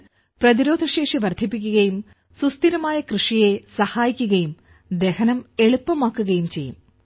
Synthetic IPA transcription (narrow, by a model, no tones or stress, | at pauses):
prɐðiɾo̞ːd̪ʱɐɕe̞ːʂiʋɐrd̪ʱipːikʲːuɣɐjum | sust̪iɾɐmaːjɐkrɨʂijesɐhaːjikʲːuɣɐjum | d̪e̞hɐnɐme̞ɭupːɐmaːkːuɣɐjumt͡ɕe̞jːum